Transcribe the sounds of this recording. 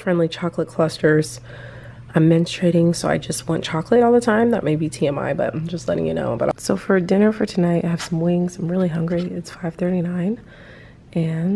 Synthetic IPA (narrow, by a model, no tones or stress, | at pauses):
fɹɛ̃ndˡlit͡ʃʰɑklət̚kʰl̥ʌstə˞z̥ | ãɪ̃mːɛ̃nstʰɹ̥eɪɾɪ̃ŋsoʊa̰ɪd͡ʒʌst̚wɑ̃nt͡ʃʰɑklɨɾɔlˠðətʰãɪ̃mðɨ̰t̚meɪbitʰiɛ̃ma̰ɪbʌ̰t̚d̥ʒ̥ʌstˡlɛ̰ɾɪ̰̃ŋjɨ̰no̰ʊb̥ʌ̰ɾsoʊfə˞dɪ̃nə˞fə˞tʰɨnaɪtaɪɨv̥sʌ̃mwɪ̃ŋz̥ãɪ̃mɹɪlˠiɦʌ̃ŋɡɹiɪtsfaɪv̥θɜ˞ɾinãɪ̃n | ʔɨ̃n